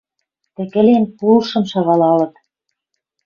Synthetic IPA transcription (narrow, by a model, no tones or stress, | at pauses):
t̪ɘ̆kɘ̆lenpulʃɤ̆mʃɑɣɑlɑlɤ̆t̪